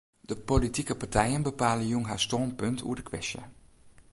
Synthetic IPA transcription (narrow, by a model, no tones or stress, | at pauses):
d̥əpolitikəpaɹtʰɛjənbəpaːlənjunɦastɔnpɵntʰṵədəkʰʋɛ̰sjə̰